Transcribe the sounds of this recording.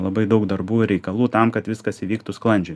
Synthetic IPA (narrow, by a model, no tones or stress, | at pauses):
lˠɐbɐɪd̪ɐʊkd̪ɐrbuːɪɾʲɛɪkɐlˠuːt̪ɐmkɐt̪ʋʲɪskɐsiʋʲiːkt̪ʊsklˠɐnʲd͡ʒʲʊ